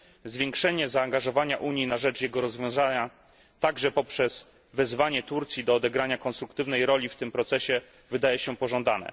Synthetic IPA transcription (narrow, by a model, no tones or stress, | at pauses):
zvʲjɛŋkʂɛɲɛzaːŋɡaʐɔvaɲaʔuɲjinaʐɛt͡ʂjɛɡɔɾɔzvʲjɔ̃w̃zaɲa | t̪aɡʐɛpɔpʂɛz | vɛzvaɲɛt̪uɾt̪sʲjid̪ɔːd̪ɛɡɾaɲakɔnst̪ɾukt̪ɘvnɛjɾɔlʲift̪ɘmpɾɔt̪sɛɕɛ | vɘd̪ajɛɕɛpɔʐɔ̃nd̪anɛ̰